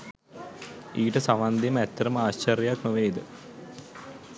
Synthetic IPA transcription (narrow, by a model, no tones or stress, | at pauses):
iːʈəsaʋand̪iməæt̪ːɐɾəməaːɕt͡ɕɐɾjjaknoʋeːd̪ə